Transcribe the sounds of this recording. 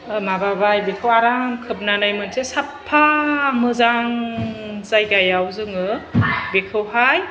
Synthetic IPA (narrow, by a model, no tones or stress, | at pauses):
mababajbekʰɯwaɾamkʰɯp̚nanajmɯnsʰesapʰːamɯzaŋ | zajɡajawzɯŋɯbekʰɯwɦaj